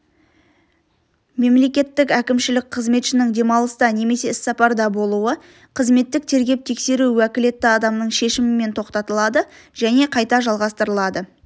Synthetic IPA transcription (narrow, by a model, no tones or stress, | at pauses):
me̞mle̞kʲe̞t̪ːɪkækʲɪmʃɪlɪk̚qʰəzme̞t̪ʃɪnɪŋd̪e̞mɑlˠəst̪ɑne̞me̞se̞ɪsːɑpɑɾd̪ɑbo̞lˠuə | qʰəzme̞t̪ːɪk̚t̪ʰe̞ɾɡʲe̞p̚t̪ʰe̞kse̞ɾuwækʲɪle̞t̪ːɪɑd̪ɑmnəɴʃe̞ʃɪmɪme̞nt̪ʰo̞qt̪ɑt̪əlˠɑd̪ə | ʒ̥æne̞qʰɑjt̪ɑʒɑlˠʁɑst̪əɾəlˠɑd̪ə